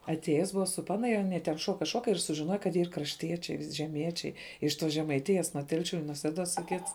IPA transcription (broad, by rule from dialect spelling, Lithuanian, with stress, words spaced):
ɐtʲˈeːjɛs ˈbʊʋɐ sʊ ˈpɑːnɐ ɪr ɐˈnʲiɛ tʲɛn ˈʃuɔkɐ ˈʃuɔkɐ ɪr sʊʒʲɪˈnoːjɛ kɐt ˈiːr krɐʃʲˈtʲiɛt͡ʃʲɛɪ ʒʲɛˈmʲiɛt͡ʃʲɛɪ ɪʃ ˈtoːs ʒʲɛmɐɪˈtʲɪjɛs nuɔ ˈtʲɛlʲʃʲʊ ɪ nuɔ ˈsʲæːduɔs iː ˈkʲɪts